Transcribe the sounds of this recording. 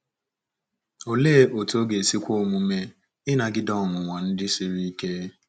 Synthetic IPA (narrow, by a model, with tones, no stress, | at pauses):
o˨leː˦˨ʔo˨to˦ɡe˨si˦kʷo˦˨mũ˨me˦˨ | ɪ˦na˨ɡɪ˦dɔ˦˨ŋʊ˨ŋʷa˨n̩˦dɪ˦si˦ɾi˦i˦ke˦